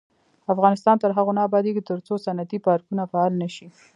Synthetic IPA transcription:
afɣɑnɪst̪ɑnt̪əɾɦaɣonɑbɑd̪iket̪əɾt͡sosanat̪ipɑɾkunafaɑlnaʃi

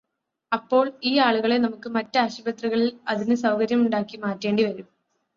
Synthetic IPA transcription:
ɐpːo̞ːɭiːaːɭuɣɐɭe̞nɐmukːɨmɐtːɨaːɕɐbɐt̪riɣɐɭilɐðinɨsɐwkɐɾjɐmuɳɖaːkːimaːtːe̞ːɳɖiʋɐɾum

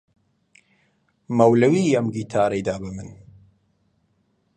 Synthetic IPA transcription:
mɐwlɐwiːɐmɡiːt̪ʰaːɾejd̪aːbɨmɨn

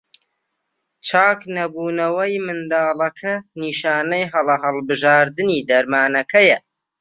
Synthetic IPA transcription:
t͡ʃʰaːknɐbuːnɐwɐjmɨnd̪aːlɐkʰɐniːʃaːnɐjɦɐlɐɦɐlˠbɨʒaːɾd̪ɨniːd̪ɐɾmaːnɐkʰɐjɐ

